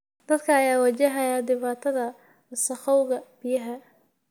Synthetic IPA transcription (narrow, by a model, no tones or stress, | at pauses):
d̪̥ɐd̪kʰɐːjaːwɐt͡ʃɛɦɐjaːd̪ɪβaːt̪ʰɐðɐ | sɐχɔwɣɐb̥ɪjɐɦɐ